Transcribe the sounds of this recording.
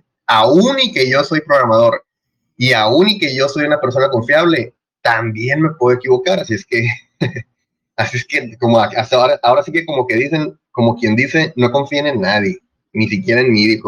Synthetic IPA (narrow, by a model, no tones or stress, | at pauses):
aunike̞ʝo̞so̞jpɾo̞ɣɾamað̞o̞ɾ | iaunike̞ʝo̞so̞junape̞ɾso̞nako̞ɱfjaβle̞ | t̪ambje̞nme̞pweðoe̞kiβo̞kaɾasie̞ske̞ | asie̞ske̞ko̞moaasaoɾaʔao̞ɾasike̞ko̞mo̞ke̞ðise̞n | ko̞mo̞kje̞nd̪ise̞no̞ko̞ɱfienenːaðje̞ | nisikje̞ɾaenmiðixo